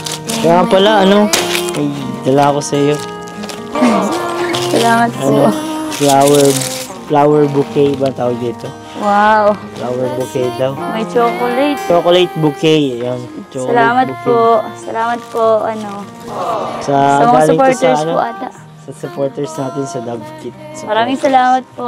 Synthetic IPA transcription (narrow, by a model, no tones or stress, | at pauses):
pɐɾapɐlaʔɐno̞mɐjd̪ɐlakosɐjo̞ | sɐlaːmɐt̪̚ɐnoflawɛɹ | flaːwɛɹbʊkɛjbɐt̪aːwɐɡ̚d̪iːt̪o | wawflaːwɛɹbʊkɛjd̪ɐwmɐjt͡ʃoːkolɛjt̪̚t͡ʃt͡ʃoːkolejt̪̚bʊkɛjɐŋt͡ʃoskɐlaːmɐt̪̚poʔsɐlaːmɐt̪̚poʔɐno | sɐɐmɐɡaːlɪŋpoɹtsɐɹɐnoo̰ʔɐd̪ɐ | sɐsʊpoːɹt̪ɛɹsnaːt̪ɪnsɐd̪ɐb̚kɪt̪̚sɐmɐɾaːmɪŋsɐlaːmɐt̪̚poʔ